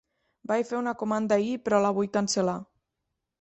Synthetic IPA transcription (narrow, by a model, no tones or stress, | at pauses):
bajfeunəkomand̪aipɾɔlaβ̞ujkansəla